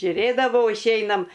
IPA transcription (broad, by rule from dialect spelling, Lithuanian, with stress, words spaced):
ʒʲʊˈrʲeːdɐʋɐʊ ɪʃʲˈɛɪnɐm